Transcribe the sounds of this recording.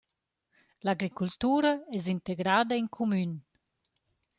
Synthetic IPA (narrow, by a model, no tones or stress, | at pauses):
laɡɾikult̪uːɾaɛzint̪eɡɾaːd̪əiŋkʰumyn